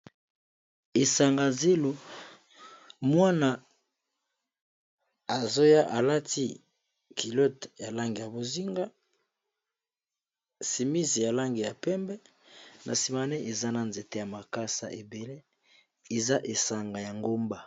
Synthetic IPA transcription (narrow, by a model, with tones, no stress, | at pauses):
e˨sa˨ŋɡa˨ze˦lo˨ | mwa˦na˨ | a˨zo˦ja˦ʔa˨la˦ti˦ | kʰi˨lo˦tja˨la˦ŋɡi˨ja˨bo˨zi˦ŋɡa˦ | si˨mi˦zi˨ja˨la˦ŋɡi˨ja˨pɛ˦mbɛ˦ | nʔa˨si˨ma˨nɛ˦ʔe˨za˦na˨nze˨te˦ja˨ma˨ka˦sa̰˨ʔe˨be˨le˦ | e˨za˦ʔe˨sa˨ŋɡa˨ja˨ŋɡo˦mba˨